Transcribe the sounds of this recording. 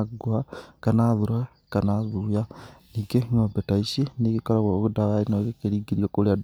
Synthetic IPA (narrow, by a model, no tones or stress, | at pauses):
ɡwakanaðuɾa | kanaðuja | iɡeŋoːbetaisinikikoɾaɣoɣudaβainoɣekeɾiːɡiɾiokolead